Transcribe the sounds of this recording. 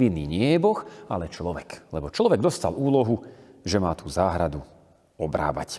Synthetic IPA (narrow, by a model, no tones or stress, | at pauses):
inːiːɲɪɛɛjɛbɔxalɛt͡ʃlɔʋɛklɛbɔt͡ʃlɔʋɛɡ̚d̪ɔst̪a̰luːlɔɦuʒɛmaːt̪uːzaːɦɾad̪u | ɔbɾa̰ːʋa̰c